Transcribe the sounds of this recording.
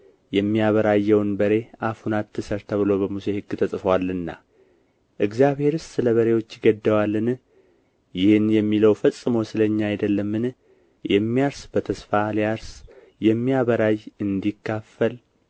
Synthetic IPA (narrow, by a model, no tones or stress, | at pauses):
jɛmːijaβəɾajːɛwnbəɾe̞ʔafunat̪ːɨsəɾt̪ʰəβɨlo̞bəmuse̞hɨɡɨt̪ʰəsʼɨfəwalːɨnːa̰ | ʔɨɡzjaβhe̞ɾɨssɨləβəɾe̞wo̞t͡ʃːɪɡəd̪ːəwalːɨn | jɪhɨnjɛmːiləwfəsʼɨmowsɨləɲːaajd̪əlːəmːɨn | jɛmːijaɾsbət̪ʰəsfalijaɾs | jɛmːijaβəɾajɨnd̪ikʰːafːəl